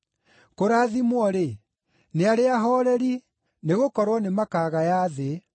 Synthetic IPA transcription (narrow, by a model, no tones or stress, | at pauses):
koɾaːðimwɔɾe | neaɾeaɦɔɾɛɾi | neɣokɔɾwɔnemakaːɣajaðe